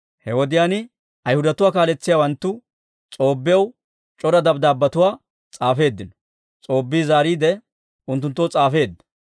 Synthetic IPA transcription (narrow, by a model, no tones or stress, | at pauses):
hɛwɔd̪ɪjaːnɪ | ɐjhʊd̪ɐt̪ʊwaːkaːlɛt͡sːɪjawɐnt̪ːʊ | t͡sʼo̞ːbːɪjɐw | t͡ʃʼɔɾɐd̪ɐbd̪aːbːɐt̪ʊwaː | t͡sʼaːfe̞ːd̪ːɪnɔ̥ | t͡sʼo̞ːbːiːzaːɾiːd̪ɛ | ʊnt̪̬ːʊnt̪ːɔwt͡sʼaːfe̞ːd̪ːɐ̥